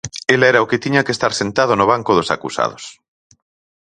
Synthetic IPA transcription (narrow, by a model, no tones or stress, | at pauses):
elaɛɾaoket̪iɲakest̪aɾsent̪að̞onoβ̞aŋkoð̞osa̰kusa̰ð̞os